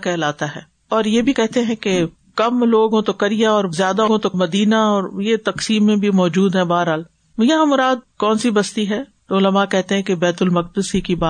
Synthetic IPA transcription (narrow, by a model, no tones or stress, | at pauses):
kɛɦlaːt̪aɦɛː | ɔːɾjebʱikɛɦt̪eɦɛ̃ke | kɐmloːɡõt̪okɐɾijaɔːɾzjaːd̪aɡõt̪omɐd̪iːnaɔːɾjet̪ɐksiːmːẽbʱimɔːd͡ʒuːd̪ɦɛ̃baːɾɦal | jɐɦãmʊɾaːd̪̚kɔːnsibɐst̪iɦɛːt̪oʊləmakɛɦt̪eɦɛ̃kebɛːt̪ʊlmɐq̚d̪əsikibaː